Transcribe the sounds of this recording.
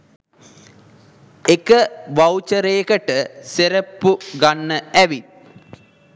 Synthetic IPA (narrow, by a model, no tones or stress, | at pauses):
ekəʋawt͡ʃəɾejkəʈəseɾəpːuɡanːəæʋi